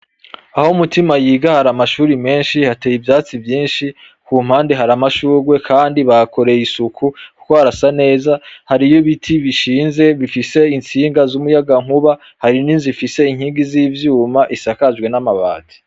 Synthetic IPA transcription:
ahoumutimajiːɡahaɾamaʃuːɾime̞ːnʃihateːjibjaːt͡sivjiːnʃi | kuːm̥haːndeɦaɾamaʃuːɾwe̞kʰaːndiβako̞ɾe̞jisukʰuku̥koaɾasane̞ːzahaɾijoβitʰiβiʃiːnze̞βifise̞int͡siːŋɡazumujaɡaŋ̥huβa | haɾiniːnzifise̞iŋhiːɡiziːvjuːmaʔisakaʒɡwe̞namaβa̰ːti̥

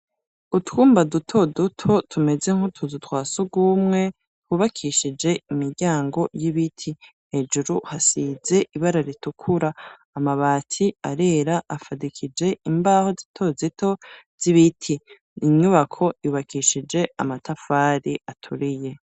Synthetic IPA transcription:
utwuːmbadutʰo̞dutʰo̞tʰume̞ze̞ŋ̥hotʰudutwaːsuɡumŋe̞ | huβakʰiʃid͡ʒe̞imiɾɟaːŋɡo̞jiβitʰi | he̞d͡ʒuɾuhasize̞ʔiβaɾaɾitukʰuɾaː | maβaːtʰiaɾe̞ɾaʔafadikʰid͡ʒe̞imbahozitʰo̞zitʰo̞z̥iβitʰiː | ɲuβakʰo̞iβakʰiʃid͡ʒe̞amatʰafaːɾiʔatʰuɾije̞

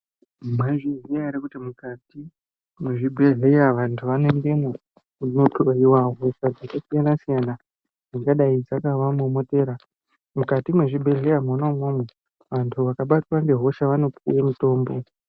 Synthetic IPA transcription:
maʐiziaɾikutimukati | mweʐibʱe̞ɮe̞jaʋantʰuʋanoendena | kunotʰoiwaɦo̞sad͡zakasijanasijana | d͡ziŋɡaɗaid͡zakaʋamomote̞ːɾa | mukatimweʐibʱe̞ɮe̞jamonomomwe | ʋantʰuʋakaɓatwaŋɡe̞ɦo̞ʃaʋano̞puwemuto̞ːmbo̞

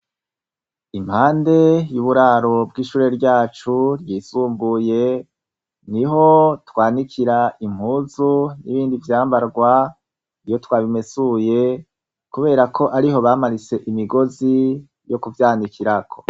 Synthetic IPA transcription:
im̥haːnde̞juβuɾaːɾo̞b̚ɡiːʃuːɾe̞ɾɟaːt͡ʃuɾjiːsuːmbuje̞ | niɦo̞twaːnikʰiɾaʔim̥huːzuniβiːndivjaːmbaɾɡwa | ijo̞twaːβimesuje̞ | kuβe̞ːɾakʰo̞ʔaɾiɦo̞βaːmaɾise̞ʔimiɡo̞zi | jo̞kuvjaːnikiɾakʰo̰

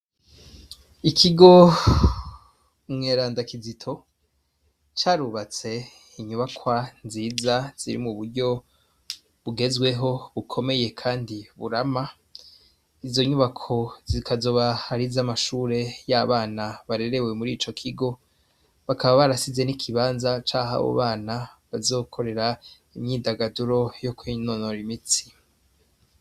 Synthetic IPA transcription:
ikʰiɡo̞ | mŋeːɾaːndakizitʰo̞ | t͡ʃaːɾuβat͡se̞ | iɲuβakʰwanziːzaz̥ḭɾḭmuβuɾɟo̞ | βuɡe̞zɡwe̞ɦo̞βukʰo̞me̞je̞kʰaːndiβṵɾama | izo̞ɲuβakʰo̞zikazo̞βahaɾizamaʃuːɾe̞jaβaːnaβaɾe̞ɾe̞we̞muɾiːt͡ʃo̞kʰiɡo̞ | βakʰaβaβaɾasize̞nikʰiβaːnzat͡ʃaːɦa̰βo̰βaːnaβazo̞ːkʰo̞ɾe̞ɾa | imɲiːdaɡaduɾo̞jokwiːnonoɾimit͡si̥

